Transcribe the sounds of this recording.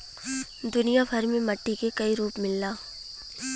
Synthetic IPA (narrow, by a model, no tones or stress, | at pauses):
d̪ʊnijabʱɐɾmẽmɐʈːikekɐiɾuːpmɪlːaː